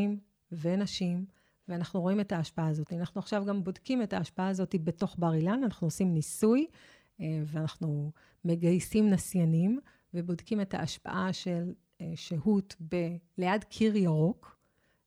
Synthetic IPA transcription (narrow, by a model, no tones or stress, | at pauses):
im | ve̞naʃim | veanaχnuʁo̞ime̞taːʃpaaːzo̞tianaχnuaχʃavɡambo̞dkime̞taːʃpaaːzo̞tibe̞to̞χbaʁilananaχnuosimnisuj | eveanaχnu | me̞ɡajsimnasjanim | ve̞bo̞dkime̞ta̰ʔaʃpa̰ʔaʃe̞l | ʃehutbeleadkʰiʁjaʁo̞k